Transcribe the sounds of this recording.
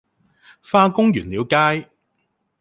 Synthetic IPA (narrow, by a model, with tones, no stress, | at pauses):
faː˧kʊ˥ŋjyː˨˩nliː˨˧wkaː˥j